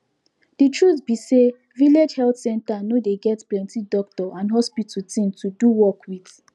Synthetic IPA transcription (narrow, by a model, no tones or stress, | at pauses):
d̥itɹutbise | viled͡ʒhɛltsɛ̃ntanodeɡɛtplɛ̃ntidɔk̚tɔãnɦɔspitʰutĩntuduwɔkwiθ